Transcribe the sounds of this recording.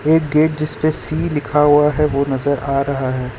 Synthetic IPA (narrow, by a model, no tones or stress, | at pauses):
eːk̚ɡeːʈ̚d͡ʒɪspesiːlɪkʰaɦuaɦɛʋonɐzəɾaːɾɐɦaɦɛː